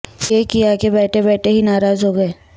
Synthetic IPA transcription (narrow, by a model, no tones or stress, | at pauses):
jeːkiaːkebɛːʈʰebɛːʈʰeɦinaːɾaːzɦoːɡɐeː